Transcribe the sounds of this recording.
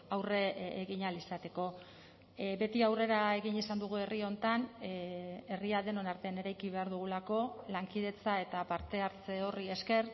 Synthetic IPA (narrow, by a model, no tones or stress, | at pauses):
awreeɣiɲalisat̪e̞ko̞ | be̞t̪iawre̞ɾae̞ɣiɲisand̪uɣ̞ue̞rio̞nt̪an | e̞riaðe̞no̞naɾt̪e̞ane̞ɾajkiβe̞aɾðuɣ̞ulako̞laŋkið̞e̞t͡sae̞t̪apaɾt̪e̞aɾt͡se̞o̞rie̞ske̞ɾ